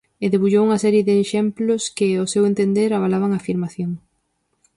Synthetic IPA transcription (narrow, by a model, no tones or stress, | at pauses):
eðeβuʎowuŋɐsɛɾjeðɪːʃɛmplʊskɪosewẽnt̪end̪eɾaβalaβ̞aŋafiɾmaθjoŋ